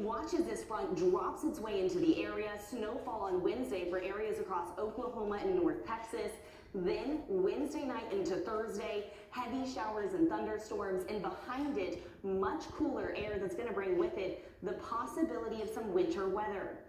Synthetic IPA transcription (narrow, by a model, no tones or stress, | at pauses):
wɑt͡ʃɨzðɪsfɹʌ̃ndɹɑpsɨtsweɪɪ̃ntʉðiʔɛɹiɨsnoʊfɔlˠə̃nwɛ̃nzdeɪfə˞ʔɛɹiɨzɨkʰɹ̥ɔsoʊkləɦõʊməɨ̃nːɔɹθtʰɛksɨs | ðɨ̃nwɛ̃nzdeɪnaɪɾɪ̃ntʉθɜ˞zdeɪ | hɛviʃaʊə˞zɨ̃nθʌ̃ndə˞stɔɹmzɨ̃nbəhãɪ̃ndɪt̚ | mʌt͡ʃkʰulˠə˞ʔɛɹðɨtsɡ̥ʌñɨbɹɪ̃ŋwɪðɪt̪̚ | ðɨpʰɑsɨbɪlˠəɾiʌv̥sʌ̃mwɪ̃ntʰə˞wɛðə˞